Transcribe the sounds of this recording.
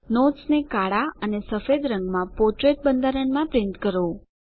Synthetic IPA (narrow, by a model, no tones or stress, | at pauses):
notsnekaɽaənesəfed̪ɾəŋɡmãpɔɾʈɾeʈ̚bənd̪ʱaɾəɳmãpɾɪnt̪kəɾo